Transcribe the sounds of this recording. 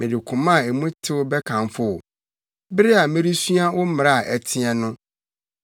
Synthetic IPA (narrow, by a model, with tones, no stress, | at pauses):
mɪ̃˨dɪ˨kʰʊ̃˨mã˦˨e˨mũ˦tʰɪ˦wʊ˦bɛ˦kʰã˨mfʊ˦ʊ˨ | bɪ˦ɾɪ˦a˨mɪ̃˦ɾi˦su˦a˦wʊ˦m˨a˦˨ʔɛ˨tʰɪ˦ɛ˦nʊ̃˦